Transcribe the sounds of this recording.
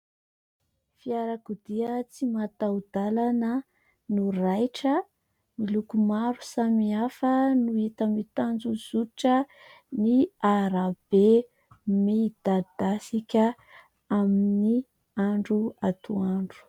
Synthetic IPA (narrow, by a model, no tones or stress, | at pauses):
fiaɾakud̪iət͡simat̪awd̪alanə | nurajʈ͡ʂə | milukumaɾusamiafənuit̪amit̪and͡zuz̥uʈ͡ʂə | niaɾab̥e | mid̪̥ad̪̥asikʲə | amini | aɳɖ͡ʐuat̪uaɳɖ͡ʐu̥